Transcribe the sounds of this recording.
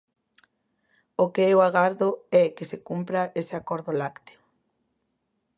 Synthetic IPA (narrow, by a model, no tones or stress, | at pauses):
ʊkeɛoaɣaɾðʊɛkesekumpɾaʔesɪakɔɾðʊlakt̪e̥o